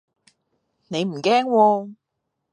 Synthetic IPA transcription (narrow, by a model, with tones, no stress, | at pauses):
ne˨˧jm̩˨˩kɛː˥ŋwɔː˧